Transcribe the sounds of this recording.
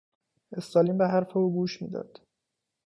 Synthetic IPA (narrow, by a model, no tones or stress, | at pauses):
e̞st̪ɒːliːmbeɦæɾfeuːɡuːʃmḭːd̪ɒ̰ːd̪̥